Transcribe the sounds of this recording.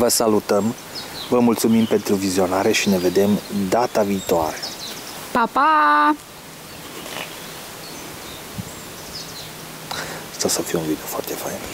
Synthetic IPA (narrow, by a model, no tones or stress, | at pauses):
vəsalut̪əm | vəmult̪sumimpe̞nt̪ɾuvizio̞naɾe̞ʃine̞ve̞d̪e̞md̪at̪aviːt̪oaɾe | papa | ast̪asəfijunvid̪eofoa̰rt̪e̞fa̰jn